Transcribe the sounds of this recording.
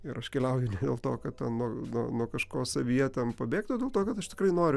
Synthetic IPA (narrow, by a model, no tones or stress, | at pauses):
ɪɾɐʃkʲɛlʲɛʊjʊnʲɛd̪ʲeːlˠt̪oːkɐt̪t̪ʲɛnnuɔnuɔnuɔkɐʃkoːsɐʋʲijɛt̪ʲɛnpɐbʲeːk̚t̪oːdʲeːlˠt̪oːkɐt̪ɐʃt̪ʲɪ̥krɐɪnoːɾʲʊ